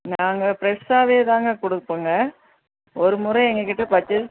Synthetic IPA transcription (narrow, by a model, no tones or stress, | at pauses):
naːŋɡɐpɪɾɛsaːʋeːt̪ãːŋɡɐkɔɽɯpːɯŋɡɐ | ɔɾɯmʊɾɐ̃ɛŋɡɐkːɪʈːɯpaːt͡ʃːɯ